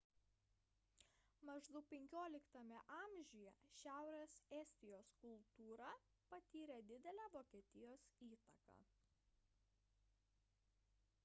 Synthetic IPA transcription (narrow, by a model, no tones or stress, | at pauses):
mɐʒd̪ʊpʲɛŋʲkʲoːlʲɪkt̪ɐmʲɛʔɑːmʲʒʲʊjɛʃʲæˑʊɾʲɛsɛsʲt̪ʲɪjoːskʊlˠt̪uːɾɑ | pɐt̪ʲiːɾʲɛd̪ʲɪd̪ʲɛlʲæːʋoːkʲiɛt̪ʲɪjoːsiːt̪ɐkɑ̰ː